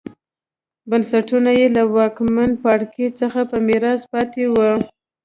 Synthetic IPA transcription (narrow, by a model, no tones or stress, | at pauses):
bansaʈunajelawɑkman̚pɑɽket͡səxapəmɪɾɑspɑt̪ewə